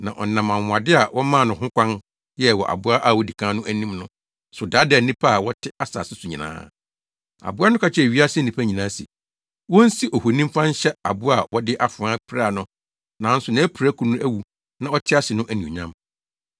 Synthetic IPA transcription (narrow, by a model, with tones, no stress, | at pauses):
nã̰˨ʔɔ̰˨nã˨mã˨mʊ̃˨a˨dɪ˦a˨wʔɔ˦mãː˦˨nʊ̃˨ɦʊ̃˦kʷʰã˦n | jɛ˦wɔ̰˨ʔa̰˨bʊ˦a˦ʔa˦˨wɔ˨di˨kʰãː˦nʊ̃˦ʔæ˦nĩ˦mnʊ̃˦ | sʊ˨daː˦dɪ˦a˨nĩ˦pʰa˦a˨wɔ˦tʰɪ˦a˦sa̰ː˨sɪ˦sʊ˨ɲĩ˨nã̰ː˦ | a̰˨bʊ˦a˦nʊ̃˦kʰa˨t͡ɕʰɛ˦˨ɥi˦a˦sɪ˦nĩ˨pʰæ˦ɲĩ˨nãː˦sḭ˨ | wɔ̃˦n̩˦si˦ʔɔ˨ho˨nĩ˦mfã˦ɲ˦ɕɛ˦a̰˨bʊ˦a˦˨wɔ˦dɪ˦ʔa˨fʊ˨ã˦pʰi˦ɾa˨nʊ̃˦ | nã˨n̩˦sʊ˨nã˦æ˦pʰi˨ɾæ˦kʰu˨nʊ̃˦ʔæ˦wu˨ | nã˨ɔ˦tʰɪ˦a˦sɪ˨nʊ̃˦ʔæ˨nĩ˨õ˨ɲã˦m